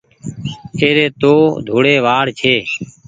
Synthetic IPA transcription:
eːɾeːt̪oːd̪ʱoːɽeːʋaːɽt͡ʃʰeː

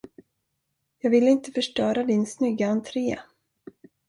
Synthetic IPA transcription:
jɑːɡvɪlːɪnt̪ə̥fœʂʈœːɾad̪ɪnsnʏɡːaant̪ʰɾeːa̰

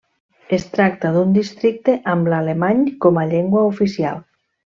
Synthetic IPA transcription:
est̪ɾak̚t̪aðund̪ist̪ɾik̚t̪eʔamlalemaɲkɔmaʎeŋɡwaufisia̰lˠ

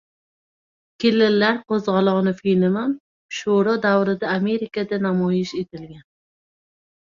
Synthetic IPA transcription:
kʲʰelɪlːaɾqozʁɑlˠɒnɪfinɪman | ʃuɾɒd̪awɾɪd̪aːme̞ɾɪkad̪anamɒjɪʃet̪ʰɪlɡʲan

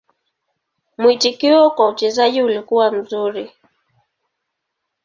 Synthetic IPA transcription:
mwitikiwɔkaut͡ʃɛzaʄiulikuwam̩zuɾi

